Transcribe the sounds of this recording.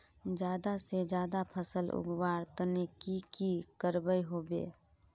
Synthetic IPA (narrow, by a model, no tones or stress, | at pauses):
d͡ʒjaːd̪ased͡ʒjaːd̪apʰəsəlʊ̰ɡwaːɾt̪nekikikəɾbəjɦoːbḛː